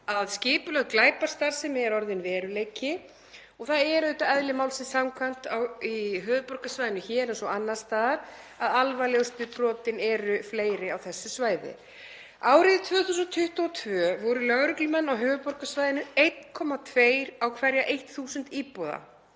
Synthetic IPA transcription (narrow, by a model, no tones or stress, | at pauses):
aðscɪːpʏlœɣklaːjpaɾ̥st̪aɾ̥sɛmɛɛɾɔɾðɪnvɛːɾʏleːjcɪ | ɔɣθaðɛɾœɥjt̪aɛðlɪmaːwlsɪnsamkʰvan̥t̪awiɦœːvʏpɔr̥kasvajðɪnʏçɛːɾɛnsɔanːaɾ̥st̪aːðaɾ̥ | aðalvaljewst̪ɪpɾɔːt̪ɪnɛɾʏfleːjɾɪawθɛsːɪsvaːjðɪ̰ | aːwɾɪðɪt̪ʰvœːθuːs̬ʏnt̪ʰʏht̪ɔɔt̪ʰvœːvɔɾʏlœɣɾʏklmɛnːawɦœːvʏpɔɾ̥kasvajðɪnʏejt̪kʰɔmat̪ʰveːjɾ̥awkʰvɛɾjaʔejht̪θuːsʏnt̪iːpɔða̰